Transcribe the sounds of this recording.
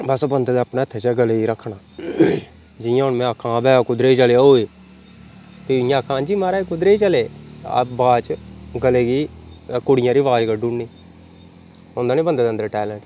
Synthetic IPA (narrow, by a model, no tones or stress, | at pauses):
bəsoːbənd̪eːd̪eːəpneːət̪ʰːeːt͡ʃaːɡəleːiːɾəkʰːɳaː | d͡ʒɪjãːɦʊnmɛ̃əkʰãːbɛːkʊd̪ɾeːd͡ʒəleːaoːeː | piɪjãːəkʰːãːd͡ʒiːmaːɾaːekʊd̪ɾeːiːt͡ʃəlḛːbaːt͡ʃɡəleːɡiːkʊɽɪjãːɾiːʋaːd͡ʒɡəɖʊɳniː | ʊ̃ːnd̪aːnĩːbənd̪eːd̪ənd̪əɾʈɛːlɛ̃ːɳʈ